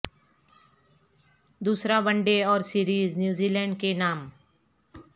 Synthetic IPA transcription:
d̪uːsɾabə̃ɳɖeɔːɾsiːɾiːznjuːziːlɛ̃ːɳɖkenaːm

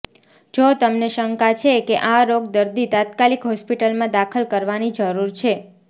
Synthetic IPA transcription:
d͡ʒot̪əmneʃəŋkat͡ʃʰekeʔaɾoɡd̪əɾd̪it̪at̪kalikɦɔspiʈəlmãd̪akʰəlkəɾʋanid͡ʒəɾuɾt͡ʃʰe

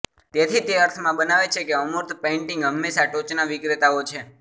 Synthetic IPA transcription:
t̪et̪ʰit̪eəɾt̪ʰmãbənaʋet͡ʃʰekeəmoɾt̪ʰpẽɳʈĩŋɡɦəmːesaʈot͡ʃnaʋɪkɾet̪aot͡ʃʰe

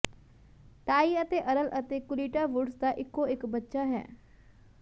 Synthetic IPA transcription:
t̪aːiːət̪eːʔəɾəlʔət̪eːkʊliːʈaːʋʊɖsd̪aːʔɪkːoːɪkbətːʃaːɦɛ̰ː

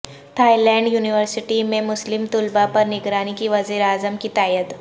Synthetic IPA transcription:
t̪ʰaːilɛ̃ːɳɖjuːnɪʋəɾsɪʈimẽmʊslɪmt̪ʊlbapɐɾnɪɡɾaːnikiʋɐziːɾaːzəmkit̪aːjət̪

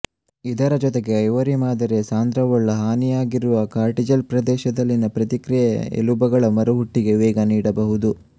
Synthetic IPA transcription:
id̪ɐɾɐd͡ʒɔt̪eɡe̞ɐjʋɐɾimaːd̪ɐɾe̞saːnd̪ɾɐʋɐɭːɐɦaːnijaːɡiɾuʋɐkaːɾʈid͡ʒɐlpɾɐd̪ɛːʃɐd̪ɐlːinɐpɾɐt̪ikɾijɐḛlubɐɡɐɭɐmɐɾuɦuʈːiɡe̞ʋɛːɡɐniːɽɐbɐɦud̪u

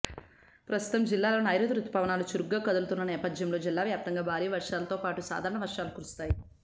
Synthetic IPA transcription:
pɾɐst̪u̥t̪ɐmd͡ʒilːaːloːnaːjɾud̪ɾut̪ːɐ̥paːʋɐnaːlut͡ʃuɾuɡːaːkɐd̪ulut̪unːɐnɛːpɐd̪jɐmlo̞ːd͡ʒilːaːʋjaːp̚t̪ɐŋɡaːbʱaːɾiːʋɐɾʂaːlɐt̪o̞ːpaːʈusa̰ːd̪ʱaːɾɐɳɐʋɐɾʂaːlukuːɾust̪aːji

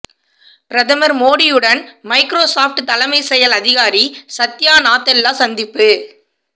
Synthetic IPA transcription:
pɪɾɐðɐmɐɾmoːɽɪjɯɽɐnmɐɪkɾoːsaːfʈɯt̪ɐlɐmɐɪsɛjɐlɐðɪɣaːɾisɐt̪ːjaːnaːt̪ːɐlːaːsɐnd̪ɪpːɯ

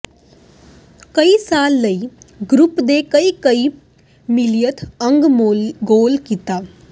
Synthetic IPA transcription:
kəisaːlːəi | ɡɾupd̪ekəikəi | milijət̪ʰəŋɡmɡoːlkit̪a

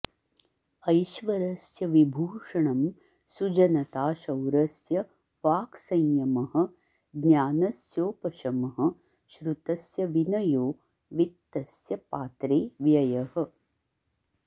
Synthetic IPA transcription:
ɐjʃʋɐɾɐsjɐʋibʱuːʂɐɳɐm | sud͡ʒɐnɐt̪aːʃɐwɾɐsjɐ | ʋaːksɐ̃jjɐmɐɦɐ̆ | ɡnjaːnɐsjoːpɐʃɐmɐɦɐ̆ | ʃɾut̪ɐsjɐʋinɐjoː | ʋit̪ːɐsjɐpaːt̪ɾeːʋjɐjɐhɐ̆

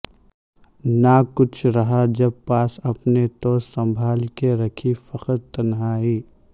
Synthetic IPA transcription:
nakʊt͡ʃʰɾɐɦad͡ʒɐb̚paːsɐpnet̪osɐ̃mbʱaːlkeɾɐkʰifɐqəɾt̪ɐnɦaːiː

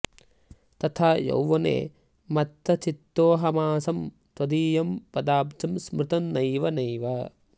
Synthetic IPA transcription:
t̪ɐt̪ʰaːjɐ̰wʋɐnḛː | mɐt̪ːɐt͡ʃit̪ːoːɦɐmaːsɐm | t̪wɐd̪iːjɐmpɐd̪aːp̚t̪ʰɐmsmɾɪt̪ɐnːɐjʋɐnɐjʋɐ

